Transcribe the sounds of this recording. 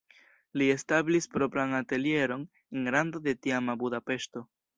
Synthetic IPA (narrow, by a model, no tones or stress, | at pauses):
lie̞stablispɾo̞pɾanate̞lje̞ɾo̞n | enɾando̞de̞tiamabudape̞ʃto̞